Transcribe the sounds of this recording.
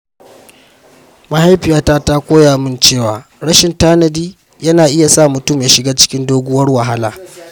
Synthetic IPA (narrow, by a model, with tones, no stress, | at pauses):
ma˨ha˦jɸɪ˨jaː˦taː˦ta˦kʷoː˦jaː˨mɪ˦nt͡ʃeː˦˨waː˨ | ɽɐ˦ʃɪ˨ntaː˦nɐ˨diː˦ | jɐ˦naː˨ʔɪ˦ja˨sa˦˨mʊ˨tʊ˦mjaː˦ʃɪ˨ɡaː˦t͡ʃɪ̥˦kʲɪ˦ndoː˦ɡʷʊ˦wɐ˦rwɐ˨ɦa˦laː˨